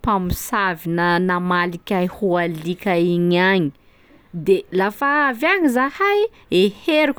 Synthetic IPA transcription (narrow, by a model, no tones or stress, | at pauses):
pamisavinənamalikʲajhualikʲaiɲaɲi̥ | d̪elafaavaɲizahaj | eheɾukʲ